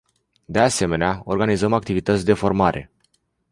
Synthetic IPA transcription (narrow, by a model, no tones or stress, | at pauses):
d̪e̞ase̞me̞neao̞rɡanizəmak̚t̪ivit̪ət̪sʲd̪e̞fo̞rmaɾʔe̞̰